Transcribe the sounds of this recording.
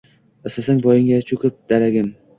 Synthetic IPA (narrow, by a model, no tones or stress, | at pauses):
asasaŋbɒjɪŋʲat͡ʃʰʊkʰʲʊp̚d̪aɾaɡʲɪm